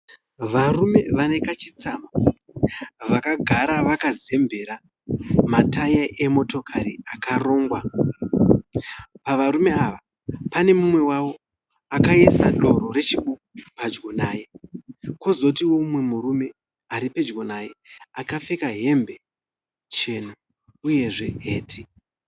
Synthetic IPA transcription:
ʋarume̞ʋane̞kat͡ʃit͡sama | ʋakaɡʱaɾaʋakaze̞mbʱe̞ɾa | matajaʔemo̞to̞kʰaɾiakaro̞ːŋɡwa | paʋaɾume̞aʋa | pane̞mumwe̞wawo̞ | akaesaɗo̞ɾo̞ɾe̞t͡ʃiɓokpad͡ʒɡo̞naːje̞ko̞zo̞tiwomwe̞muɾume̞ | aɾipe̞d͡ʒɡo̞naːje̞akafekaɦe̞mbe̞ | t͡ʃe̞no | uje̞ʐe̞ɦe̞ːtʰi

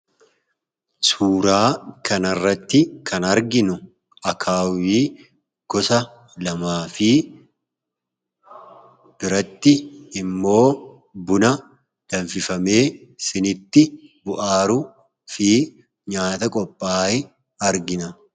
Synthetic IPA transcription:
suːɾaːkɐnɐrːɐt̪ːɪkʰɐnɐɾɡɪnʊ | ʔɐkʰaːwiː | ɡ̥ɔsɐ | lɐmaːfɪ | b̥ɪɾɐt̪ːɪːmːo̞ː | bʊnɐ | d̥ɐɱfɪfɐme̞ːsɪnɪt̪ːɪbʊʔaːɾʊ | fiː | ɲaːt̪ɐkʼɔpʼːaːɪ | ɐɾɡɪnɐ

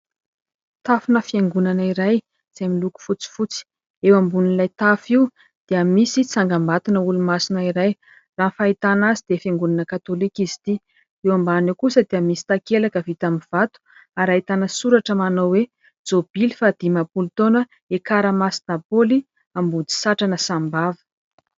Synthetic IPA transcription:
t̪afunəfieŋɡunaniɾaj | z̥eamiluku̥fut͡si̥fut͡si̥ | ewambunilajt̪afiu | d̪̥eamisit͡saŋɡamat̪unəulumasinaiɾaj | raːnfait̪anazid̪̥efjeŋɡunanəkat̪olikizi̥t̪i | ewambanekusəd̪eamisi̥t̪akelakəvit̪amiv̥at̪u̥ | aɾait̪anəsuɾaʈ͡ʂəmanowwe | d͡zob̥ilifad̪̥imapult̪onə | ekaɾəmasi̥napoli | ambud̪i̥saʈ͡ʂanəsambavə̥

